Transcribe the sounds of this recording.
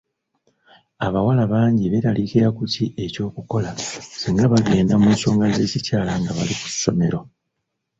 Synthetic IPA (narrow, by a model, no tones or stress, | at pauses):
aβawalaβaːɲɟiβeɾalikiɾakutie̞co̞ːkuko̞lasiŋɡaβaɡe̞ːndamuːnso̞ːŋɡaze̞ːcicaːlaŋɡaβa̰liku̥sso̞me̞ɾo̞